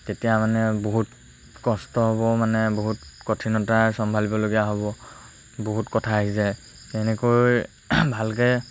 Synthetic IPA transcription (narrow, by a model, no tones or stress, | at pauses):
tetijamanɛboɦut | kɔstɔɦoβɔmanɛboɦutkɔtʰinɔtasɔmbʱalibɔloɡijaɦoβɔ | boɦutkɔtʰaːɦisɛ | ɛnɛkojj | bʱalkɛ